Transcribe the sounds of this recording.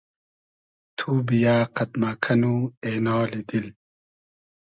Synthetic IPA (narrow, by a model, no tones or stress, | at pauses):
t̪ʰuːbijaːqɐt̪maːkʰɐnuenɔːlid̪il